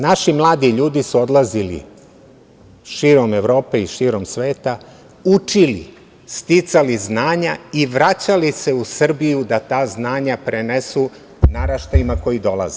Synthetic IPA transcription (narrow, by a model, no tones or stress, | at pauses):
naʃimlˠaːd̪iʎuːd̪isuod̪lˠazilḭ | ʃiːɾo̞me̞ʋɾo̞ːpe̞iʃiːɾo̞msʋe̞ːt̪a | ut͡ʃilḭ | st̪it̪saliznaːɲaiʋɾat͡ɕalise̞usr̩bijud̪at̪aːznaːɲapɾenesu | naɾaʃt̪ajimako̞jid̪o̞lˠa̰ze